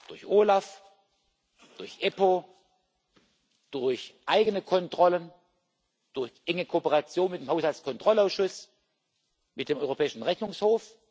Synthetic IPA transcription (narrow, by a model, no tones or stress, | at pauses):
d̥ʊɐçʔoːlaf | d̥ʊɐçʔɛpoː | d̥ʊɐçʔaɪɡənəkʰɔntʁ̥ɔlən | d̥ʊɐçʔɛŋəkʰoːpəʁat͡sjoːnmɪt̚d̥eːmhaʊshalt͡skʰɔntʁ̥ɔlaʊsʃʊs | mɪt̚d̥eːmɔʏʁopʰɛːɪʃn̩ʁɛçnʊŋshoːf